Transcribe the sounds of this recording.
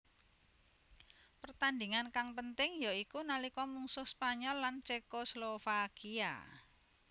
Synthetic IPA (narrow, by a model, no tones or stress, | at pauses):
pərt̪and̪iŋankaŋpənt̪ɪŋjoikunalikɔmuŋsʊhspaɲɔlːant͡ʃekoslofakia̰